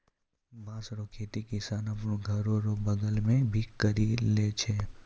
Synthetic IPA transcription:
bãːsɾokʰeːt̪ikɪsaːnɐpnõɡʱɐɾõɾobɐɡəlmẽbʱikəɾileːt͡ʃʰeː

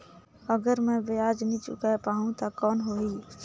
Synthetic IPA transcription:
əɡəɾmɛ̃bɪjaːd͡ʒnĩt͡ʃʊ̰kapaːɦũt̪akɔːnɦoːiː

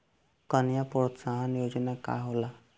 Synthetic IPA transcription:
kənjapɾɔsaɦanjod͡ʒɔnaka̰ɦola

